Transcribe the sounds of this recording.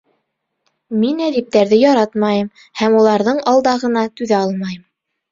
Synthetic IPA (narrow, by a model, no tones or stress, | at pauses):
minæðip̚t̪æɾðɘjɑɾɑt̪mɑjɤm | hæmulˠɑɾðɤɴɑlˠd̪ɑʁɤ̆nɑt̪ʉðæɑlˠmɑjɤm